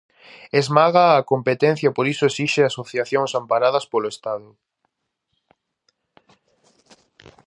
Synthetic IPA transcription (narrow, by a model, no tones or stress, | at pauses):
ezmaɣaːkompet̪en̟θjapoɾisʊesiʃeasoθjaθjoŋsampaɾaðɐspoloest̪aðʊ